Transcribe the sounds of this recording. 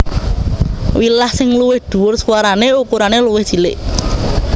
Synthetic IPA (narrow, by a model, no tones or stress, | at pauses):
wilahsɪŋluwɪhd̪̥ṳwʊrsuwaɾaneukuɾaneluwɪhʒ̥i̤lɪʔ